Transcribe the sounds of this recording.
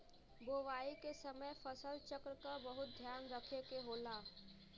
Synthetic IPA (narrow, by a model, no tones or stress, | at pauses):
boːʋaːikesəməjfəsəlt͡ʃəkɾkabɐɦʊt̪̚d̪ʱjaːnɾəkʰekeɦoːlaː